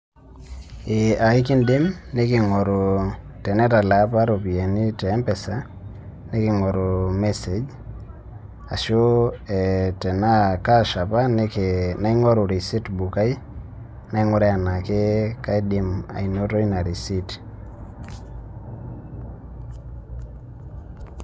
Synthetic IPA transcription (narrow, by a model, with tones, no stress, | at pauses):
ɪ˨a˨˦kɪ˦ndɪ˦mne˦kɪ˨ŋɔ˨ɾʊ˨tɛ˨nɛ˦ta˨la˨˦pa˦ɾo˨pi˨e˨ni˦tɛː˨˦mpɛ˨sa˦ | ne˦kɪ˨ŋɔ˨ɾʊ˨mɛ˦se˨d͡ʒ | a˨ʃo˦ɛtɛ˨na˦ka˦ʃa˨pa˦nkna˦iŋɔ˦ɾu˨ɾi˨si˦tbu˨ka˦j | na˦i˦ŋʊ˦ɾɛ˦a˨na˨ke˦ka˦jdɪ˦ma̰˨inoto˦i˦na˨ɾi˨si˦t